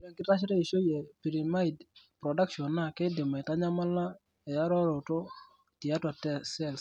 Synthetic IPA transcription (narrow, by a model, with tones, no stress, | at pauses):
ɾɛ˨ŋkɪ˦ta˦ʃ̬ɪɾɛ˦i˨ʃo˦je˨pi˨ɾi˨ma˦i˨dpɾɔ˨da˦kʃiɔ˨nːa˦ke˦dɪ˨ma˨ta˦ɲa˦ma˦la˦ | ɛ˨ja˦ɾɔ˦ɾo˨to˦ | ti˨a˦twa˨tɛ˦sɛ˦ls